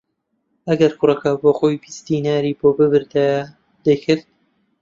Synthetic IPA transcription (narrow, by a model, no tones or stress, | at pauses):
ɐɡɐɾkʰʊrɐkɐboːxoːjbist̪inaːɾiːboːbɨbɨɾd̪a | d̪̥ɐjkʰɨɾt̪̚